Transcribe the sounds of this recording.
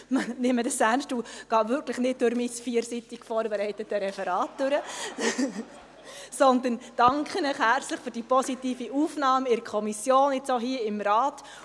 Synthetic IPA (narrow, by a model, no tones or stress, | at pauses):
mnɪmːədəsænʃtuɡ̥ɑːvʏɾkləχnɪt̚d̥ʊɾmisfiːəɾsitiɡ̥fɔːɾbɛɾɛɪtətəɾɛfɛɾɑːt̚d̥øɾə | sɔnd̪ənd̥ɑŋkχənɪχhæɾt͡sləχføɾdipɔsitiːfiʔuːfnɑːmɪɾkʰɔmisjoːnɪt͡soːɦiəɪmɾɑːt